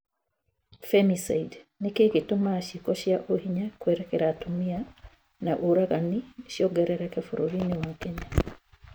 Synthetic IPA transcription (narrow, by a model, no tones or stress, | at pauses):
femisaidnikekitumaʃikoʃjaʔohiɲakweɾekeɾatumia | naʔuɾaɣaniʃjoɡɛɾɛɾɛkefuɾoɾiniwakeɲa